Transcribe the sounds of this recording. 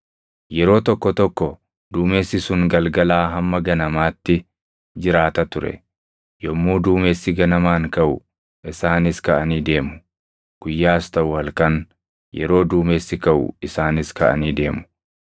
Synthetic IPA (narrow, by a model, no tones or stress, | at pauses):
jɛɾo̞ːt̪ɔkːɔt̪ɔkːɔ | d̪uːmeːsːɪsʊŋɡɐlɡɐlaːɦɐmːɐɡɐnɐmaːt̪ːɪ | d͡ʒɪɾaːt̪ɐt̪ʊɾɛ̰ | jɔmːuːd̪uːmeːsːɪɡɐnɐmaːŋkɐʔʊ̰ | ʔɪsaːnɪskɐʔɐniːd̪e̞ːmʊ̥ | ɡ̥ʊjːaːst̪ɐʔʊɐlkɐŋ | jɛ̰ɾo̞ːd̪uːmeːsːɪkɐʔʊ̰ɪsaːnɪskɐʔɐ̰niːd̪e̞ːmʊ̥